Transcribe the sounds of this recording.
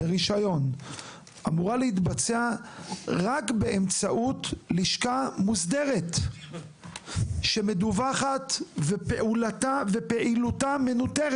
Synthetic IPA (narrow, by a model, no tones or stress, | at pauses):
eʁiʃajo̞n | ʔamuʁalehit̪bat͡se̞a | ʁakbe̞emt͡saʔutliʃkamusd̪e̞ʁet | ʃe̞me̞duvaχatvepeʔulatave̞pe̞ʔilutame̞nuteʁ